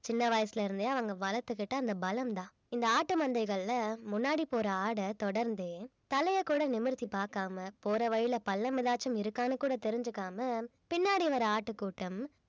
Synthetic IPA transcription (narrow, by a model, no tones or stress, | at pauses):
t͡ʃɪnːɐʋaːjɐsɪlɐɪɾɯnd̪jaːɐʋɐŋɡɐʋɐlɐt̪ːɯkːɪʈːɐɐnd̪ɐbɐlɐmt̪ãː | ɪnd̪ɐaːʈːɯmɐnd̪ɐɪɣɐɭlɐmʊnːaːɽipoːɾɐaːɽɐt̪ɔɽɐɾnd̪eːt̪ɐlɐjɐkːuːɽɐnɪmɯɾt̪ːipaːɾkaːmɐpoːɾɐʋɐɻɪlɐpɐlːɐmɪðaːt͡ʃːɐmɪɾɯkːaːnɐkuːɽɐt̪ɛɾɪɲd͡ʒɯkːaːmɐ | pɪnːaːɽiʋɐɾɐaːʈːɯkːuːʈːɐm